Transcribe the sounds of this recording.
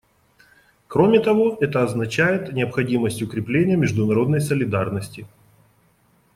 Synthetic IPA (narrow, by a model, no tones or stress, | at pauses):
kɾo̞mʲɪt̪ɐvo̞ɛt̪əɐznɐt͡ɕæjɪt̪nʲɪɐpxɐdʲiməsʲtʲʊkɾʲɪplʲenʲɪjəmʲɪʐd̪ʊnɐɾo̞d̪nəjsəlʲɪd̪arnəsʲtʲɪ